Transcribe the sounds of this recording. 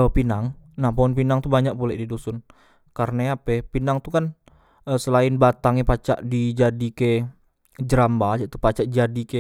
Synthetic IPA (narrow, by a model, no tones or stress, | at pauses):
əpinaŋnahpoɔnpinaŋt̪ubaɲaʔ̚pulɛʔdidusʊn | kaɾənajapɛpinaŋt̪ukan | əsəlaɪnbat̪aŋepat͡ʃa̰ʔdid͡ʒadike | d͡ʒəɾambad͡ʒat̪u̥pat͡ʃaʔd͡ʒadike